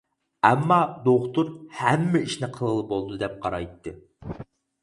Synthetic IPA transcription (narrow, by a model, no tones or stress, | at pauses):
ɛmːɑd̪oχt̪uɾhɛmːɪiʃnɪqʰəlˠəlˠɨbolˠd̪ɨd̪ɛp̚qʰɑɾɑjt̪ːɨ